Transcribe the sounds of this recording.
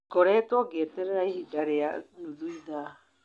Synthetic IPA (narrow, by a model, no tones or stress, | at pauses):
ɡ̥ɔɾɛtwɔɡeɛtɛɾɛɾaiɦidaɾea̰nuðuiða